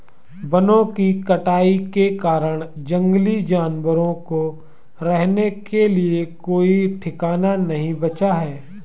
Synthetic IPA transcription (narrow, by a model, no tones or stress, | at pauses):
bɐnõkikɐʈaːikekaːɾəɽ̃d͡ʒɐ̃ŋɡlid͡ʒaːnbəɾõko | ɾɛɦnekeliekoːiʈʰɪkaːnanɐɦĩbɐt͡ʃaɦɛː